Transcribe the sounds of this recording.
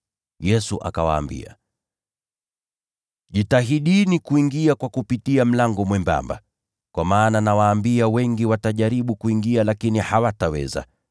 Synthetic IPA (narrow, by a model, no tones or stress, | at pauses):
jɛsuʔa̰kawa̰ːmbḭa̰ | ʄitaɦiɗinikuiŋɡiakwakupitiam̩laŋɡɔmwɛmba̰mba̰ | kwamaːnanawaːmbiawɛŋɡiwataʄaɾiɓukuiŋɡialakinihawatawɛ̰za̰